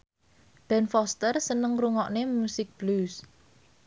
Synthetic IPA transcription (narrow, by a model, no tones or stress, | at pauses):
b̥ɛ̤nfɔst̪ərsənəŋruŋɔʔnemusɪk̚b̥lus